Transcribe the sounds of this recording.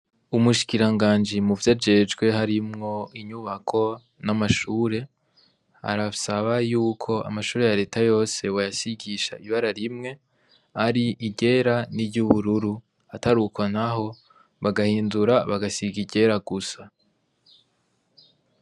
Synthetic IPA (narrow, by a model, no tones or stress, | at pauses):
umuʃi̥kiɾaŋɡaːnd͡ʒimuvjad͡ʒe̞d͡ʒɡwe̞ɦaɾimŋo̞iɲuβakʰo̞ | namaʃuːɾe̞ | a̰ɾasaβajuːkʰo̞a̰maʃuːɾe̞jaɾe̞ːtʰajo̞ːse̞wojasiɡiʃa̰iβaɾaɾimŋe̞ | aɾiʔiɟe̞ɾaniɾɟuβuɾuɾu | ataɾukonaɦo̞ | βaɡahiːnduɾaβaɡasiɡiɟe̞ɾaɡusa